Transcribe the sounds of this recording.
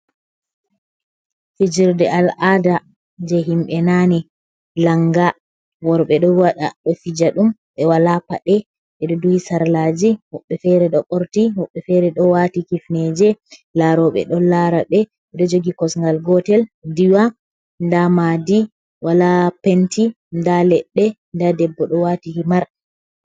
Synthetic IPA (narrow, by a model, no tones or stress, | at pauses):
fid͡ʒiɾdɛalada | d͡ʒɛɦimɓɛnani | laŋɡa | wɔɾɓɛɗɔwaɗa̰ɗɔfid͡ʒaɗumɓɛwalapaɗɛ | ɓɛɗɔduhisaɾlad͡ʒihɔɓːɛfɛɾɛɗɔɓɔɾtihɔɓːɛfɛɾɛɗɔwatikifnɛd͡ʒɛlaɾɔɓɛ̰ɗɔlaɾaɓɛ | ɛɗɔd͡ʒoɡikɔsŋɡalɡɔtɛldiwa | ndamadi | walapenti | ndalɛɗːɛ | ndadɛbːɔɗɔwatihimaɾ